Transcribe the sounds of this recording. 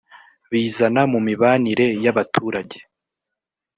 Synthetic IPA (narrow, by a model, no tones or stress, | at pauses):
βiːzanamumiβaːniɾe̞jaβatʰuːɾaɟe̞